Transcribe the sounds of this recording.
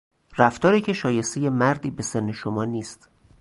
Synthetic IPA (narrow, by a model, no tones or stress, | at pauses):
ræft̪ɒːɾiːcʰe̞ʃɒːje̞st̪eje̞mæɾd̪iːbe̞senːeʃomɒːniːst̪